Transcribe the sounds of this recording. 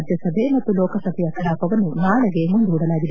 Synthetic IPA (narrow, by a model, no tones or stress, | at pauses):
d̪jɐsɐbʱemɐt̪ːulɔːkɐsɐbʱɛjɐk̪ɐɽaːpɐʋɐnunaːɭɐɡe̞mund̪uːɽɐlaːɡid̪e